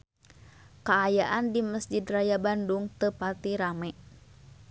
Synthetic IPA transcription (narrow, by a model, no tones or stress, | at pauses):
kaːjaʔandiməsd͡ʒidrajabanduŋt̪əpat̪iɾamɛʔ